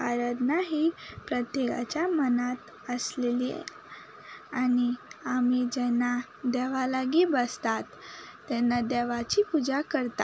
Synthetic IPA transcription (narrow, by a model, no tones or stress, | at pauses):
aɾəd̪naɦiːpɾət̪jeka̰t͡ɕjamənat̪ | əslelḭ | aniamid͡ʑɛnːa | d̪ɛʋalaɡibəst̪at̪ː | ɛnːad̪ɛʋat͡ɕipud͡zakəɾt̪a